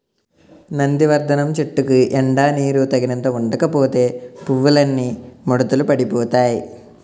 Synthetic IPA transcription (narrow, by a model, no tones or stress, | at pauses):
nɐnd̪iʋɐɾd̪ʱɐnɐmt͡ʃeʈːukuʔeɳɖaːniːɾut̪ɐɡinɐnt̪ɐuɳɖɐkɐpoːt̪e̞ːpuʋːulɐnːimoɽut̪ulupɐɽipoːt̪aːji